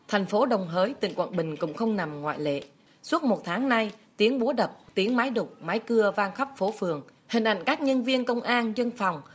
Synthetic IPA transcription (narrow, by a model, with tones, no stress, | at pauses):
t̪ʰɛ˨˩jŋ̟fo˨˦ɗə˨˩wŋ͡mɦəː˨˦jt̪ḭ˨˧˨ŋkwə̰˧˨nɓï˨˩ŋ̟kʊ̰˧˥ŋ͡mxə˧wŋ͡mna˨˩mŋwa̰ː˧˨jlḛ˧˨ | su˦˥ət̚mo˨˩t̚t̪ʰaː˨˦ŋna˧jt̪i˨˦ənɓu˨˦əɗə˨˩p̚t̪i˨˦ənmaː˨˦jɗʊ˨˩k͡p̚maː˨˦jkɨ˧əvaː˧ŋxə˦˥p̚fo˨˦fɨ˨˩əŋ | hï˨˩ŋ̟ʔa̰˧˨jŋ̟kaː˦˥k̚ɲə˧nvi˧ənkə˧wŋ͡mʔaː˧nzə˧nfa˨˩wŋ͡m